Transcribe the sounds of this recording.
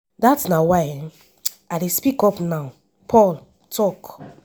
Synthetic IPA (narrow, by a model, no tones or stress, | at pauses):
datsnawaɪ | adespikɔpnaʊ | pʰɔl | tʰɔk